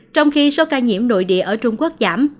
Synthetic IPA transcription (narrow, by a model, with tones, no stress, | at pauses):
t͡ɕɔ˧wŋ͡mxi˧so˨˦kaː˧ɲḭ˧˥əmno̰˧˨jɗḭ˧˨əʔəː˧˩t͡ɕʊ˧ŋ͡mku˦˥ək̚zaː˧˩m